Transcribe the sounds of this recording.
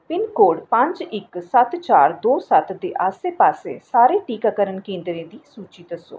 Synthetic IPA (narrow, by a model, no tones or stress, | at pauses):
pɪnkoːɖpə̃ɲd͡ʒɪksət̪t͡ʃaːɾd̪oːsət̪d̪eːʔaːseːpaːsḛːsaːɾeːʈiːkaːkəɾənkẽːnd̪ɾẽːd̪iːsuːt͡ʃiːd̪əso̰ː